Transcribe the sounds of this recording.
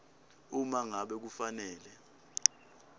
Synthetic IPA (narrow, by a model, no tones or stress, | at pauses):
umaŋaɓɛk̬ufanɛːlɛ